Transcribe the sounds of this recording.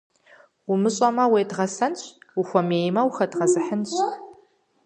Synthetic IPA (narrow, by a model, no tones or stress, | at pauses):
wʊmɨɕʼɐmɐweːdʁɐsɐnɕwʊxʷɔmeːjmɐwxɐdʁɐzɨħənɕ